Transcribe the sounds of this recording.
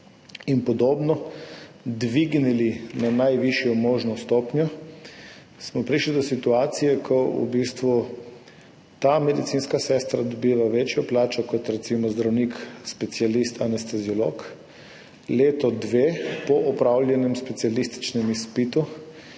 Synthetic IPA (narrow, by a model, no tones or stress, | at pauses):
inpɔd̪oːbnɔ | d̪ʋiɡnilinanajʋiʃjɔmoːʒnɔst̪oːpnjɔ | smɔpɾiʃlid̪ɔsit̪uaːt̪sijɛkʰɔṵbist̪ʋu | t̪amɛd̪it̪siːnskasɛst̪ɾad̪ɔbiːʋaʋet͡ʃjɔplaːt͡ʃɔkɔt̪ɾɛt̪simɔzd̪ɾawnikspɛt̪sialist̪ʰanɛst̪ɛziɔloːk | leːt̪ɔd̪ʋeːpɔʔɔpɾawljɛnjɛmspɛt̪sialist̪i̥t͡ʃnɛmispit̪u